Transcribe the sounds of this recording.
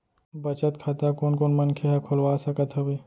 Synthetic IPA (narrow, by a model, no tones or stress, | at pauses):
bɐt͡ʃət̪kʰaːt̪akoːnkoːnmɐnkʰeɦakʰʊlwaːsɐkət̪ɦɐweː